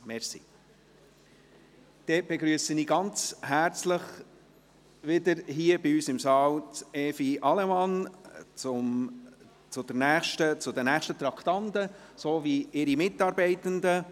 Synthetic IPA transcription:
mɛɾsḭ | d̪̥ɛb̥ɛɡɾyəsəniːɡɑnt͡shæɾt͡sləχ | ʋɪd̪əɾɦiːəbɪyːsɪmsɑːlt͡sɛːfiʔɑlɛmɑnt͡sʊm | t͡sʊd̥̪əɾnæːχʃtət͡sʊd̪ənæːχʃtət̪ɾɑkt̪ɑnd̪əsoːviɪɾimɪtɑɾbɛɪt̪ənd̪ə

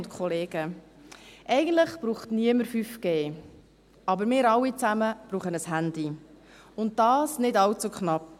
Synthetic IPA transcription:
ntkʰχɔleːɡ̥ə | ʔɛɪɡən̩tləχb̥ɾuːχtniəməɾfyfɡ̥eː | ɑbəɾmɪːɾɑlːit͡sæməb̥ɾuːχənəsɦænd̥i | ʊnt̚d̥ɑːsnɪdɑwt͡sukχnɑp̚

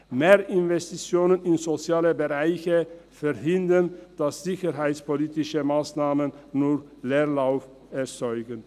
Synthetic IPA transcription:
meːɐʔɪnvɛstit͡sjoːnənɪnzot͡sjaːləbəʁaɪçəfɛʁɦɪndənd̥asz̥ɪçəɦaɪt͡spoliːtɪʃəmaːsnaːmənnuː | leːɐʁlaʊf | ɛɐt͡sɔʏɡən

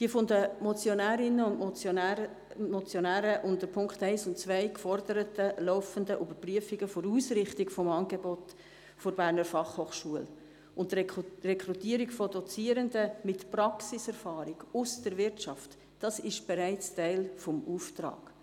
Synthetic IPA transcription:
d̥iəfʊndəmɔt͡sjonæːɾɪnəʊn | mɔt͡sjɔnæːɾəʔʊndəɾpʰʊŋkχtæɪsʊntt͡svæɪkfɔrdəɾətəlɔʊfəndəʔybəɾpryəfiɡəfʊɾuːsrɪχtɪkfɔmɑːnɡebɔt | fɔɾbæːɾnəɾfɑχhoːχʃuəl | ʊntrɛkɾutiəɾikfɔdɔt͡siːəɾəndəmɪtprɑksɪsɛɾfɑːɾiɡ̥ʊsd̥əɾvɪɾtt͡ʃɑft | d̥ɑsɪʃb̥ɛɾæɪt͡stæɪlfɔmuːftrɑ̰ːɡ̥

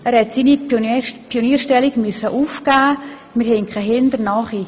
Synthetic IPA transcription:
æːɾhɛtsiːnipʰioniːʃtɛliɡmøsəʔufkaː | mɪɾhɛŋkʰaɦɪnd̪ərnɑχi

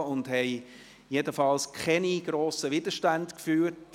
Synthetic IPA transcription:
ʊndhɛɪ | jedəfɑlskʰχɛniɡ̥ɾoːsəʋɪd̥̪əʃtændkfyːɾt

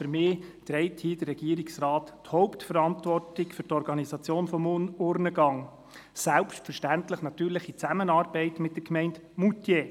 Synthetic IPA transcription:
føɾmɪːt̪ɾɛɪthiːd̥ərːɛɡ̥iːɾiksrɑːtthɔʊptfəɾɑntʋɔrtɪkfɵɾtɔɾɡɑnisɑt͡sjoːnfɔmʊɾnəɡɑŋ | sælpʃtfəɾʃtæntləχnɑt̪yːɾləχit͡sæmənɑːɾb̥ɛɪtmɪt̚d̥əɾkmɛɪndmutje

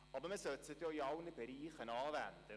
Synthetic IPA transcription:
ɑbəɾməsœtt͡sət̪joːiɑʊnəbeɾiːχənɑːvænd̪̥ə

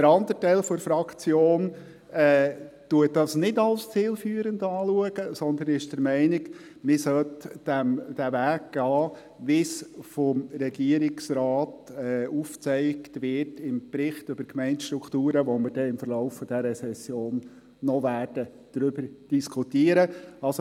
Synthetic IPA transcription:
dəɾɑnd̪ətɛɪlfɔɾfɾɑkʰt͡sjoːn | ɛːtuət̚d̥ɑsnɪdɑlst͡siːlfyːəɾəndɑːluəɡ̥əsɔnd̪ənɪʃd̥əɾmɛɪnɪk | mɪsœltd̥æmd̥æʋæːkɡ̥ɑː | ʋɪsfɔmɾɛɡiəɾɪksɾɑːtɛuːft͡sɛɪktʋɪtɪmpɾɪχtʏb̥əɾkmɛɪntʃtɾukʰtuːɾəʋɔməɾdɛɪmfəɾlɔʊfːɔd̥ɛɾəsɛsjoːnː | ɔʋæːɾd̥ə | d̥ɾʏbəɾd̥iskʰutiəɾəɑlso

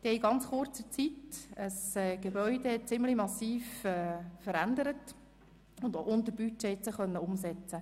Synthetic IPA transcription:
d̪̥iiɡɑnt͡sχʊrt͡sət͡sitəsɛːɡ̥ebœʏdehɛt̚t͡sɪmlimɑsiːfɛːfəɾænd̪əɾət | ʊndʔʊnt̪əb̥yt͡ʃːeːɪt͡səχœnːəʊmsɛt͡sə

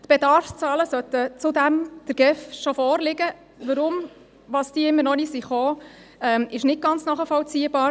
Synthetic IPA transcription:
t̪b̥ed̪ɑɾft͡sɑːləsœt̪ət͡sʊd̪æmd̪̥əɾɡ̥ɛfʃofɔːɾlɪɡə | ʋəɾʊm | ʋɑːsd̥iːəɪmːənɔnisiχoː | ɛmɪʃnɪt̚ɡ̥ɑnt͡snɑχəfɔlt͡siːəb̥ɑːɾ

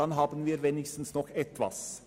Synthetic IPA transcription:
ɑnɦɑːbənʋiːɾʋenɪçst̪n̩snɔkːɛt̪ːʋɑ̰s

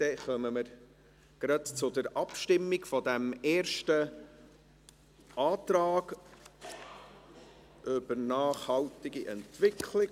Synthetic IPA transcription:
d̥ɛχœməməɾ | ɡ̥ɾɑtt͡sʊd̪əɾʔɑpʃtɪmːiɡfɔd̪æmeːɾʃtə | ʔɑːtɾɑːɡ | ʔøb̥əɾnɑːχhɑltɪɡiʔɛntʋɪkʰlɪ

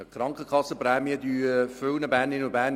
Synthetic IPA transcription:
kχɾɑŋkχəkʰɑsːəpɾɛːmiəd̪yːfølnəbæːnɪnubæːn

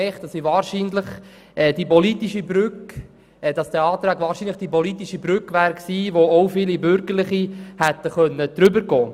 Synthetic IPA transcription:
ɛɪχtd̥ɑsiʋɑːɾʃiːnləχ | ʔɛd̥ipɔlit̪iʃibɾʏk | ɛd̥ɑsd̥̪ɛɑːt̪ɾæːɡʋɑːɾʃiːnləχd̥ipɔlit̪iʃibɾʏkʋæːɾksiːʋoowfilibʏɾɡ̥əɾləχihæt̪ːəχœnːəd̥̪ɾʏbəɾɡ̥ɔː

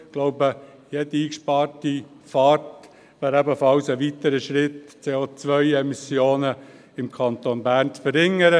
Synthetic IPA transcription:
ɡ̥loʊbəjɛdiiːkʃpɑːrti | fɑːɾt | ʋæːɾæbəfɑlsəʋitəɾəʃɾɪtt͡seːot͡sʋœʏɛmisjoːnə | ɪmkʰɑnt̪onbæːɾnt͡sfəɾɪŋːəɾə

